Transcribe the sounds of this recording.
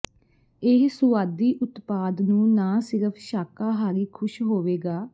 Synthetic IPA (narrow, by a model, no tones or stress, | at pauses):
ɪɦsʊʋaːd̪iːʔʊt̪paːd̪nũːnaːsɪɾəpʰʃaːkaːɦaːɾiːkʰʊʃɦoːʋeːɡaː